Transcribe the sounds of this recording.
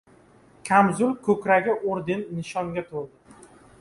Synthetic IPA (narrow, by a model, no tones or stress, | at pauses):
kʲʰamzʊlkʰɵkʲɾaɡʲɪʔoɾd̪ɪnːɪʃɒŋɡʲat̪ʰoɾ